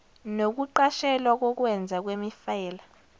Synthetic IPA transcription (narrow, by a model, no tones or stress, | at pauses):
nok̬uǃaʃɛlwak̬ɔk̬wɛnd͡zʱak̬wemifɛːla